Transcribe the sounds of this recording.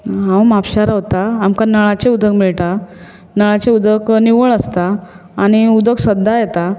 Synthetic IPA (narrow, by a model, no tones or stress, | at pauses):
ɦãwmapɕaɾaɦot̪aːmkanəɭat͡ɕeud̪ʱəkmiɭʈa | nəɭat͡ɕeud̪ʱəkniʋəɭəst̪aː | ɽ̃iud̪ʱəksəd̪ʱːajet̪a